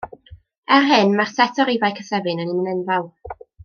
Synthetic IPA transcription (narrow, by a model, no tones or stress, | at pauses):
ɛrɦɨnmarsɛtʰɔɾivajkʰəsɛvɨnənɪnənɛnvalˠ